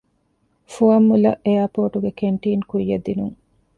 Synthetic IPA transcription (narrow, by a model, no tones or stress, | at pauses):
fuɐmːulɐ̰ʔejapoːʈuɡekeɳʈiːnkujːed̪ːinuŋ